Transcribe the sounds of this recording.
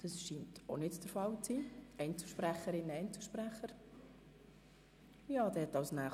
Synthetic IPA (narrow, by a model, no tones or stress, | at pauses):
d̥ɑsʃiːntʰonɪtd̥əɾfɑlt͡siːɛɪnt͡səlʃpɾæχəɾɪnəɛɪnt͡səʃpɾæχəɾ | jɑːd̥ɛhɛtɑwsnæː